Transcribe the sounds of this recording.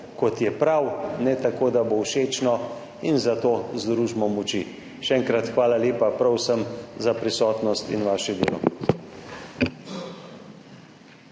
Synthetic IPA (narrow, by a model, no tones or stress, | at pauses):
kɔt̪jɛpɾawnɛt̪akoːd̪abowʃeːt͡ʃnɔ | inzat̪oːzd̪ɾuːʒmɔmɔt͡ʃḭ | ʃɛɛːŋkɾat̪xʋaːlaleːpapɾɔwsəmzapɾisɔːt̪nɔst̪ḭnʋaːʃɛd̪eːlɔ̰